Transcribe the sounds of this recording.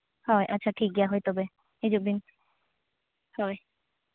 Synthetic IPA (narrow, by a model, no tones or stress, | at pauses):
hɔeʔatːɕʰaʈʰik̚ɡɛaɦojt̪obe | ed͡ʑobin | hɔe